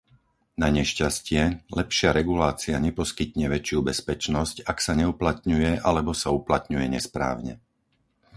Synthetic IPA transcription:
naɲɛʃcascɪɛlɛpʃɪaɾɛɡulaːt͡siaɲɛpɔskit̪ɲɛʋɛt͡ʃɪubɛspɛt͡ʃnɔscaksaɲɛuplat̪̚ɲujɛʔalɛbɔsauplat̪̚ɲujɛɲɛspɾa̰ːʊɲɛ̰

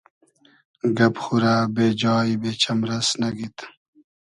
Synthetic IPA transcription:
ɡɐpxuɾaːbeːd͡ʑɑːibeːt͡ɕʰɐmɾɐsnɐɡit̪

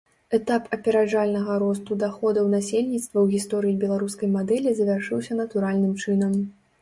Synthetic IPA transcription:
ɛt̪apʰɐpʲɛɾad͡ʐalʲnɐɣɐɾɔst̪ud̪axɔd̪ɐwnasʲelʲnʲit̪st̪vɐwɣʲist̪ɔɾɨibʲɛlˠaɾuskɐjmad̪ɛlʲizɐvʲarʂɨwsʲɐnɐt̪uɾalʲnɨmt͡ʂɨnɐm

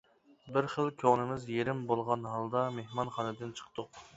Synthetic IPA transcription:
bɪɾχəlˠkʲʰoʁnɪmɪzjeɾɪmbolˠʁɑnɦɑlˠd̪ɑmehmɑnχɑnɨd̪ɪnt͡ʃʰə̥qt̪ʊq

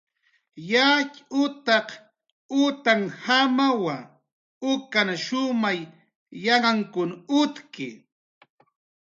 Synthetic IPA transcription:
jat͡ʃʊt̪ɑq | ʊt̪aŋhamawa | ʊkanaʃʊmaj | jaɢaŋkʊnʊt̪kɪ̰

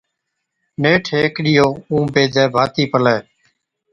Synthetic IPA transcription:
neːʈʰeːkɗɪjoːũːbeːd̪ʱɛːbʱaːt̪iːpəlɛː

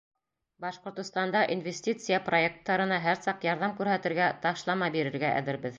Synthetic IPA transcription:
bɑʃqŏɾt̪ŏst̪ɑnd̪ɑʔinvʲesʲtʲit̪sɨjəpro̞ek̚t̪ːɑɾɤ̆nɑɦæɾsɑqjɑɾðɑmkʉɾɦæt̪ɘ̆ɾɡæt̪ɑʃlˠɑmɑbiɾɘ̆ɾɡæʔæ̰ðɘ̆ɾbɘð

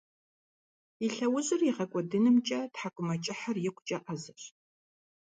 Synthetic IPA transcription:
iɬɐwʊʑʼɪrjɪʁɐkʷʼɔdɨnɨmt͡ʃʼɐtħakʷʼʊmɐt͡ʃʼɪħarjɪkʷʰʼt͡ʃʼɐʔɐzɐɕ

